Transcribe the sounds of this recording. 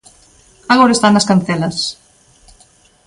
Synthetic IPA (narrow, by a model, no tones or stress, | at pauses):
aɣoɾɐest̪anːɐskan̟θelɐs